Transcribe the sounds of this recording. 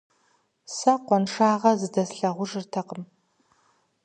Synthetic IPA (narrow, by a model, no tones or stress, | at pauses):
sɐqʷɔnʂaːʁɐzɨdɐsɬɐʁʷʊʐɨrtʰɐqəm